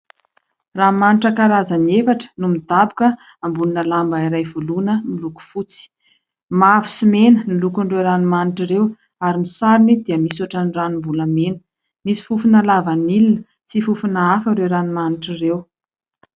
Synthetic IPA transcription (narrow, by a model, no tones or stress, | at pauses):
ramaniʈ͡ʂəkaɾazanefaʈ͡ʂə̥numid̪̥abukə | ambuninəlambaiɾajvulunəmiluku̥fut͡si̥ | mavu̥simenənilukuɳɖ͡ʐewɾanimaniʈ͡ʂiɾew | aɾinisaɾinid̪iəmisaʈ͡ʂaniranimvuləmenə̥ | misi̥fufunəlavanilinə | t͡sifufunaafəɳɖ͡ʐeɾanimaniʈ͡ʂirew